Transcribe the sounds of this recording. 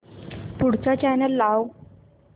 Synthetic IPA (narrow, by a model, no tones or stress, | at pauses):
puɽ̤t͡sat͡ɕanəlːaw